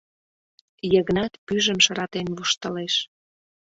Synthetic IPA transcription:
jəɣnɑt̪pyʒə̆mʃəɾɑt̪enβuʃt̪ə̆leʃ

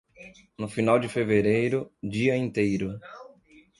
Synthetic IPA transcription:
nʊfinawd͡ʒɪfeveɾejɾʊd͡ʒiɐĩnt̪ejɾʊ

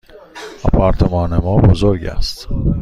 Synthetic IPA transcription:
ɒ̰pʰæɾt̪ʰemɒːnemɒːbozoɾɟæ̰st̪

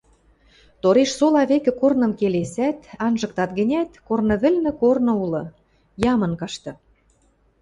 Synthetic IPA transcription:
t̪oɾeʃsolɑβekɘ̆kornɤ̆mkelesæt̪ɑnʒɤ̆k̚t̪ɑt̪ɡə̆nʲæt̪kornɤ̆βɘ̆lʲnɘ̆kornɤ̆ulɤ̆ | jɑmɤ̆nkɑʃt̪ɤ̆

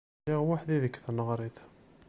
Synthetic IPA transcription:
iʁwaħd̪iðəkːθənːəʁɾˤiθ

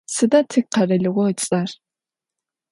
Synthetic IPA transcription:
sɨdatʰɨk̚qɐrɐɮɨʁʷɔɨt͡sʼɐr

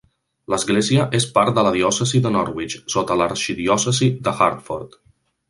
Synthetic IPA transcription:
ləzɣɡleziəʔespaɾt̪̚d̪ələðiɔsəziðənɔɾwit͡ʃsot̪ələɾʃiðiɔsəziðəxa̰ɾt̪fɔ̰ɾt̪

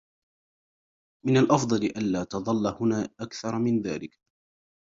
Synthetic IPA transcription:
mɪnalʔɑfd̪ˤɑlɪʔanlaːt̪ɑðˤɑlːahʊnaːʔakθɑɾˤmɪnðaːlɪk

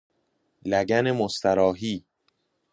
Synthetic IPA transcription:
læɡænemost̪ʰæɾɒːɦiː

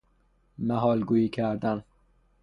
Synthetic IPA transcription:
mæɦɒːlɡuːiːkʰæɾd̪æn

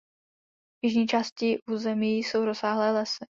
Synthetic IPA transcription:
vjɪʒɲiːt͡ʃaːscɪʔuːzɛmiːso̞wɾosaːɦlɛːlɛsɪ

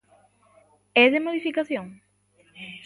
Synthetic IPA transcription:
ɛðemoðifikaθjoŋ

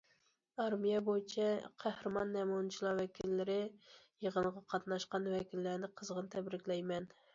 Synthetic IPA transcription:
ɑɾmijɛbojit͡ʃʰɛqʰæhɾɨmɑnːɛmunt͡ʃʰilˠɑɾwɛkʲʰilːɪɾɪjəʁənʁɑqʰɑt̪nɑʃqɑnwɛkʲilːæɾnɪqʰəzʁənt̪ʰɛbɾɪkʲlɛjmɛn

